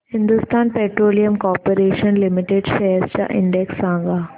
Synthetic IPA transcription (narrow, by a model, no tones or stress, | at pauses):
hɪ̃nd̪ʊst̪aːnpeːʈɾoːlijəmkɔːpəɾeːʃənlɪmɪʈeɖʃɐəɾst͡ɕa̰ːʔɪ̰̃ɳɖeksːãːŋɡaː